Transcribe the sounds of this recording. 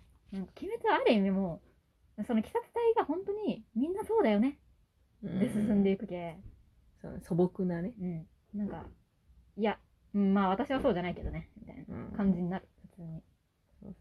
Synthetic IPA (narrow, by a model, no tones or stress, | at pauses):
nãŋkḁkʲime̞t͡sɨaɾɯ̟imʲimoː | so̞no̞kʲi̥sat͡sɨ̥t̪aiɡahõ̞nt̪o̞ɲ̟imʲĩnːaso̞ːd̪ajo̞ne̞ | d̪esɨsɨ̃nd̪eikɯ̟ke | so̰ːneso̞bokɯ̟naneɯ̟̃ɴ | nãŋka̰ | ija | ɯ̟̃ɴmaːβ̞at̪aɕiβ̞aso̞ːʑanaike̞d̪o̞ne̞mʲit̪a̰ina̰kãɲ̟d͡ʑiɲ̟inaɾɯ̥ɸɯ̟t͡sɨːɲ̟i | o̰